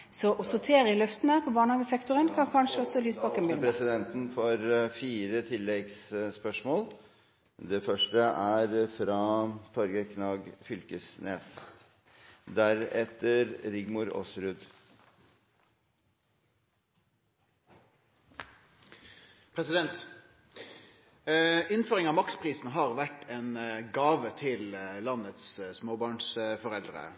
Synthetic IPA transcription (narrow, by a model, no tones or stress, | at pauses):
sɔʔɔsʊt̪ʰeːɾəɪlœft̪n̩hæːʁpʰɔbɑːʁnɑːɡəsɛkt̪ʊʁənkʰɑnkʰɑnʂəɔsɔlyːsbɑːkɛnɪpʰɾɛsɪd̪ɛnt̪n̩fɔɾfiːɾət̪ʰɪlːɛɡsspœʂmoːl | d̪ɛfœʂʈəʔæɾfɾɑːt̪ʰɔɾɡəkʰnɑːɡfʏlkəsnʔḛːs | d̪æɾɛt̪ːəɾɾɪɡmʊɾɔ̰sɾʉːd̪ | pʰʁɛsɪd̪ɛnt̪ | ɪnføːʁɪŋɑːmɑkspʰʁiːsnɦɑːʁʋæʈenɡɑːʋət̪ʰɪllɑnət̪ssmoːbɑːɳsfɔʁɛld̪ʁə̰